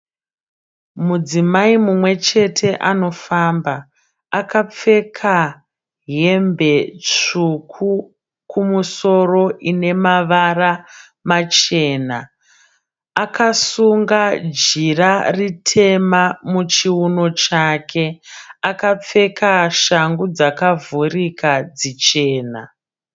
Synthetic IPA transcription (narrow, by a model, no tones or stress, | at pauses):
mud͡zimaimumwe̞t͡ʃe̞tʰe̞ʔano̞fambaː | kap͡fe̞kʰa | ɦe̞mbe̞t͡ʂukʰu | kʰumuso̞ro̞ʔine̞maʋara | mat͡ʃe̞ːna | akasuŋɡad͡ʒiraritʰe̞mamut͡ʃiuno̞t͡ʃaːkʰe̞akap͡fe̞kʰaʃaŋɡud͡zakavurikad͡zit͡ʃe̞ːna̰